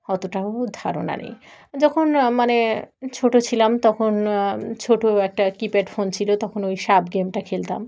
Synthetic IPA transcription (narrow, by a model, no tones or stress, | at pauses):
hɔt̪oʈaod̪ʱaɾo̰na̰nḛj | d͡ʑɔkʰonmanet͡ɕʰoʈot͡ɕʰilamt̪ɔkʰont͡ɕʰoʈoɛk̚ʈakipeʈfont͡ɕʰilot̪ɔkʰonojʃabɡemʈakʰelt̪a̰m